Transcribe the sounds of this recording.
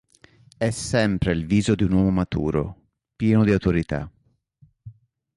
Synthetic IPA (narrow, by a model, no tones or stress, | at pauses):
ɛsːɛmpɾeilviːzod̪iunwɔːmomat̪ṵːɾo̰ | pjɛːnod̪iawt̪oɾit̪a̰